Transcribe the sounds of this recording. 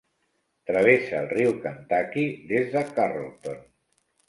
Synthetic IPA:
t̪ɾəβesəːlˠriwkant̪akiðezðəkarolˠt̪on

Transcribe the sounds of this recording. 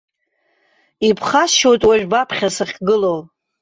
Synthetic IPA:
ipʰχasʃojtʼwaʒᶣbapʰχʲasaχʲɡɨlol

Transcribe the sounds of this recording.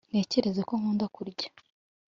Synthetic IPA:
n̥e̞ːce̞ɾe̞zeko̞ŋ̥uːndakuɾɟḁ

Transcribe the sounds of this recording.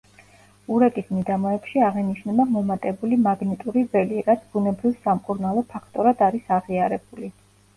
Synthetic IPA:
uɾɛkʼismid̪amɔɛpʃiaʁɛniʃnɛbamɔmat̪ʼɛbulimaɡnit̪ʼuɾivɛliɾat̪sʰb̥unɛbɾivsamkʼuɾnalˠɔpʰakʰt̪ʼɔɾad̪aɾisaʁiaɾɛbuli

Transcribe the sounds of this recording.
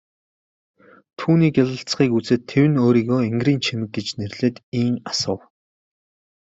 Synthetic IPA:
t̪ʰuːniːkjaɮə̆ɬt͡sχiːkut͡seːt̪ʰːewɘ̆noːɾiːɣoːeŋɡriːnt͡ɕʰemɘ̆k̚ɡet͡ɕnerɮeːt̪iːŋasʊ̆w

